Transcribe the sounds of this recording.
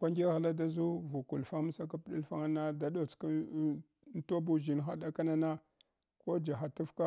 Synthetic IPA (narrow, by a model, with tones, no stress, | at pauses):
kʷa˦ŋɡʲe˦ɣa˨la˦da˦zu˦vu˨ku˨lfa˦m˦sa˦ka˦pɗi˦lfa˦ŋa˦na˦da˨˦ɗo˨t͡sk | n˦to˦bu˨ʒi˨nxa˦ɗa˦ka˦na˦na˦ | ko˦d͡ʒa˨xa˨tu˦fka˦